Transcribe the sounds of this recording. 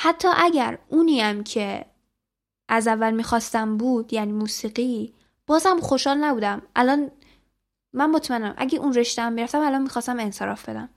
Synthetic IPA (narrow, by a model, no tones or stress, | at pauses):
hæt̪ʰːɒːʔæɟæɾuːniæmcʰe̞ | ʔæzævːælmiːxɒːst̪æmbuːd̪̥jæniːmuːsiːɢiː | b̥ɒːzhæmχo̞ʃhɒːlnæbuːd̪æmʔælɒnː | ænmot̪ʰmænæmʔæ̰ɟeʔunre̞ʃt̪eæmːiɾæft̪æmælɒnmixɒːst̪æme̞nse̞ɾɒ̰ːfbe̞d̪æm